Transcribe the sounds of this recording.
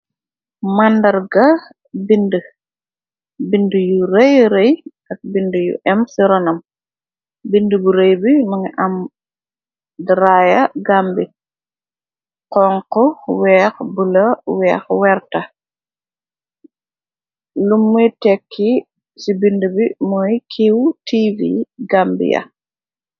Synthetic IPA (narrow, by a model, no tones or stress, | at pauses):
mɐndɐɾɡɐ | bində | bindəjuɾejɾejʔɐk̚bindəjṵʔɛmsiɾɔnɐm | bindəbuɾejbimuŋiʔɐm | dəɾaːjɐɡambi | qɔŋkɔwɛːxbulɐwɛːxwɛɾtɐ | lumːujtɛkʰːi | sibindəbimɔjkʰiwtivḭɡaːmbḭjɐ̰